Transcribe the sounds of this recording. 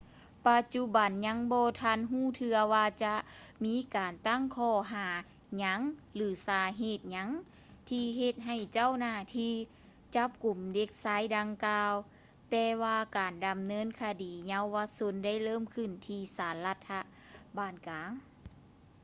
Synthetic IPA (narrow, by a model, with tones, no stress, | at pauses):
pa˧t̪̚t͡ɕu˧ba˨˩nɲa˧˥ŋbɔː˧t̪ʰa˧˥˨nɦuː˥˩t̪ʰɯ˧ɐwaː˧t͡ɕa˧˦ʔmiː˧˥kaː˨nt̪a˥˨ŋkʰɔː˧˩ɦaː˩˦ | ɲa˧˥ŋlɯː˨˦saː˨˧˦ɦeː˧˩t̪̚ɲa˧˥ŋ | t̪ʰiː˧ɦe˧t̪̚ɦa˧˩jt͡ɕa˥˨wnaː˧˩t̪ʰiː˧˥ | t͡ɕa˧˦˥p̚ku˨˩mde˧˥k̚saː˧˥˨jda˧ŋkaː˧w | t̪ɛː˧waː˧kaː˨˩nda˨˩mnɤː˧˥˨nkʰaː˧diː˨˩ɲa˧˥wːa˧so˧˥nda˥˩˨jlɤː˥˩˨mkʰɯ˧˩nt̪ʰiː˧˩saː˨˦nla˧t̪ʰːa˧ | baː˧˩nkaː˨˦ŋ